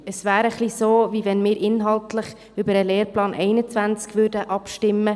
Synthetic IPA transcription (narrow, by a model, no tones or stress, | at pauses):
əsʋæːɾəχlisoːvivɛnmɪːɾʔɪnɦɑltləχ | ʏbəɾəleːɾplɑːnʔɛɪnət͡svænt͡skʋøːɾdəʔɑpʃtɪmːə